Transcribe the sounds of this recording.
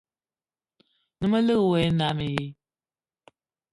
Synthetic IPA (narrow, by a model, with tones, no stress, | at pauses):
nɨ˦mə˦lɨ˦ɣwɛ˨˦na˨˦me˨je˦